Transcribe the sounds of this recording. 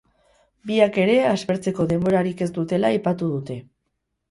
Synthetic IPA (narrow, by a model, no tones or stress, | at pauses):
biake̞ɾe̞azβe̞ɾt͡se̞ko̞ðe̞mbo̞ɾaɾike̞zd̪ut̪e̞laːjpat̪uðut̪e̞